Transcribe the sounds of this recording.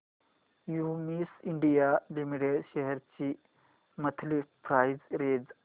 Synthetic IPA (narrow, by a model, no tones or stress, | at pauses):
jumisiɳɖijalimiʈeɖʃɛɦɛɾt͡ɕi | mət̪ʰlipʰɾaːjzɾeːd͡z